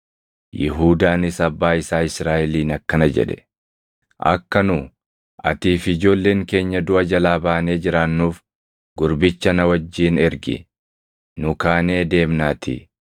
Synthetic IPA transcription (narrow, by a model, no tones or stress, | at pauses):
jɪɦuːd̪aːnɪsɐbːaːɪsaːɪsɾaːʔɛliːnɐkːɐnɐd͡ʒɛ̰ᶑɛ̥ | ʔɐ̰kːɐnʊ | ʔɐ̰t̪iːfɪd͡ʒo̞ːlːeːŋke̞ːɲːɐd̪ʊʔɐd͡ʒɐlaːbaːne̞ːd͡ʒɪɾaːnːuːf | ɡʊɾbɪt͡ʃːɐnɐwɐd͡ʒːiːnɛɾɡɪ̰ | nʊkaːne̞ːd̪e̞ːmnaːt̪ʰḭ